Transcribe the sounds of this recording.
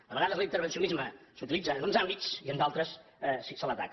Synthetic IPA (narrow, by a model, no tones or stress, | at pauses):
d̪əβəɣaðəzlˠint̪əɾβənsiunizməsut̪ilid͡zənunzambisiənd̪alˠt̪ɾəsɛsisələt̪a̰k